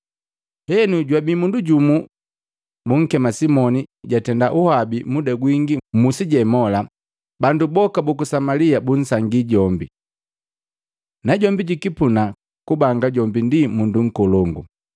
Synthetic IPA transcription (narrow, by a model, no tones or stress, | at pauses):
hɛnuɟwabimunduɟumu | buŋ̩kɛmasimɔniɟatɛndaʔuhabimudaɡwiŋɡimusiɟɛmɔla | bandubɔkabukusamaliabun̩saŋɡiɟɔmbi | naɟɔmbiɟikipuna | kubaŋɡaɟɔmbindimunduŋ̩kɔlɔŋɡu